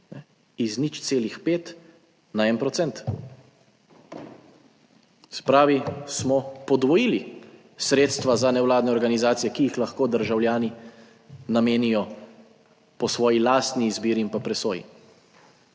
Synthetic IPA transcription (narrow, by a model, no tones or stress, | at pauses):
nɛ | iznit͡ʃt̪seːlixpeːt̪ | naɛnpɾɔt̪sɛnt̪ | sɛ̥pɾaːʋismɔpɔd̪ʋɔjili | sɾeːt̪st̪ʋazanɛwlaːd̪nɛɔɾɡanizaːt̪sijɛkijixlaxkoːd̪əɾʒawljaːni | nameːnijɔ | pɔsʋɔːjilaːst̪niːzbiːɾiimpapɾɛsoːjḭ